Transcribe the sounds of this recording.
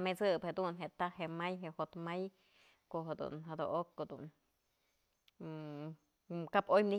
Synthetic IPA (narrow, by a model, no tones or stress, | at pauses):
met͡sɨbhed̪unɦet̪ahemajɦehot̪maj | koɦed̪ṵnɦad̪o̰ʔokːod̪ṵn | kapojmni